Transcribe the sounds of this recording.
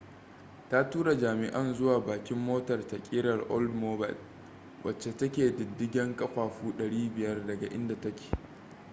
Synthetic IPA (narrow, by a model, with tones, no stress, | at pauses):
ta˦tuː˦ɾa˨d͡ʒaː˨mɪ˨ʔɐ˦nzʊ˦waː˨baː˨kʲɪ˦mːoː˦tɐ˨rtɐ˨kʲʼi˦ɽɐ˨rʔɔ˦ldmoː˦ba̰˨l | wʔɐ˨t͡ʃːe˨tɐ˦kʲeː˨dʊ˨dːɪ˦ɡʲɛ˦ŋkʼɐ˦kʷaː˨ɸuː˦ɗɐ˨ɽiː˦bɪ˨jɐ˦rdɐ˨ɡa˨ʔɪ˦nda˨tɐ˦kʲe̥ː˨